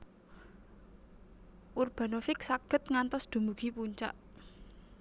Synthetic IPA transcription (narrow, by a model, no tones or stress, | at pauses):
ʔurb̥a̤nofɪk̚saɡ̥ə̤t̪̚ŋant̪ɔsd̪̥ṳmbuɡ̥ipuɲt͡ʃa̰ʔ